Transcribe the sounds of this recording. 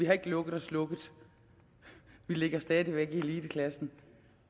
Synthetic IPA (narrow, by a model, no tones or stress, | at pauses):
ʋihɑ̈e̝ɡ̥əlɔ̽ɡ̥əð̩ˠɒ̽slɔ̽ɡ̥ð̩ˠ | ʋile̝ɡ̥ɐsd̥ɛːðˠiʋeɡ̥iliːdəkʰlæsn̩